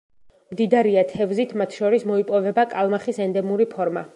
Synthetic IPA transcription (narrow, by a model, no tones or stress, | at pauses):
md̪id̪aɾiat̪ʰɛvzit̪ʰmat̪ʰʃɔɾismɔipʼɔvɛbakʼalˠmaχisɛnd̪ɛmuɾipʰɔɾma̰